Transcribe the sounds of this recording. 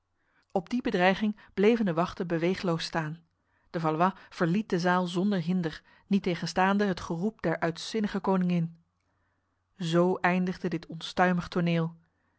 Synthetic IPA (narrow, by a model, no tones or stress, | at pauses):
ɔb̚dibədrɛjχɪŋ | b̥lejvəndəʋɑχtənbəʋejχəlowstaːn | d̥əvɑlʋɑv̥əɹlit̚dəzaːlˠzɔndəɹɦɪndəɹ | nitejχənstaːndəɦətχərup̚dɛɹʔœɥtsɪnəχəkownɪŋɪn | zowʔɛjndəχdədɪtʰɔnstœɥməχtonɪːlˠ